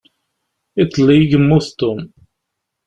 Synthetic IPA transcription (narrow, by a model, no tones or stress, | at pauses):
it̪ˤːlːiɡəmːuθt̪ːum